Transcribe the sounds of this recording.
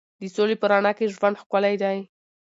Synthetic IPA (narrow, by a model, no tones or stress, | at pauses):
d̪əsolepəɾɑnɑkeʒwand̪xkalajd̪aj